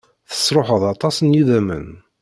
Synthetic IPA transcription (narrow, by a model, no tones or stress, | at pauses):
θə̥sˤɾˤoħəðˤɑt̪ˤɑsˤənjiðæmə̰n